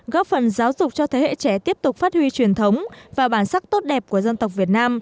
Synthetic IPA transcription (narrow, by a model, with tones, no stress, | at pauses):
ɣɔ˦˥p̚fə˨˩nzaː˨˦wzʊ˨˩k͡p̚t͡ɕɔ˧t̪ʰe˨˦hḛ˧˨t͡ɕɛ˧˩t̪i˦˥əp̚t̪ʊ˨˩k͡p̚faː˦˥t̚hwi˧t͡ɕwi˨˩ənt̪ʰə˨˦wŋ͡mvaː˨˩ɓaː˧˩nsa˦˥k̚t̪o˦˥t̚ɗɛ˨˩p̚ku˧˩əzə˧nt̪ə˨˩wk͡p̚vi˨˩ət̚naː˧m